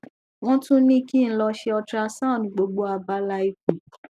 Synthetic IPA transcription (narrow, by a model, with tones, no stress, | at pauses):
w̃ɔ̃˦tũ˦nĩ˦ki˦n̩˦lɔ˧ʃe˧ɔ˧tɾa˧sã˦˨nĩ˨ɡ͡bo˧ɡ͡bo˦a˧ba˦la˧˦i˧ki˨